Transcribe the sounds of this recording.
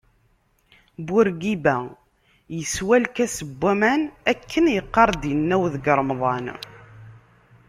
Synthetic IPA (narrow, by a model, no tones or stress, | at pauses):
bʊɾɡibæ | jəswælkæsəbːæmænækʰːənjəqːɑɾˤd̪jənːæwðəɡəɾˤmðˤɑn